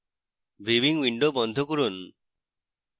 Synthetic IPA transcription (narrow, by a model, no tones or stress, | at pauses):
bibiŋwiɳɖobɔnd̪ʱɔkuɾun